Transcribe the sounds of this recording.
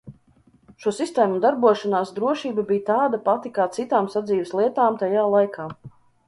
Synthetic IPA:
ʃuɔsist̪ɛːmud̪aɾbuɔʃanaːsd̪ɾuɔʃiːbabijt̪aːd̪apat̪ikaːt̪sit̪aːmsad̪ziːʋɛslˠiɛt̪aːmt̪ajaːlˠajkʰaː

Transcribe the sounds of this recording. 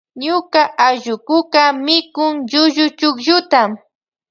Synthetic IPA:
ɲʊkaʔaʒʊkʊkamɪkʊŋʎʊʒʊt͡ʃʊkʒʊt̪am

